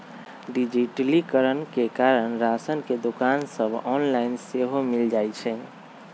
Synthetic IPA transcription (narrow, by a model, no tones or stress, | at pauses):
ɖid͡ʒiʈlikəɾənkekaɾənɾasənked̪okansəbʱɔnlainseɦomild͡ʒajt͡ʃʰɛ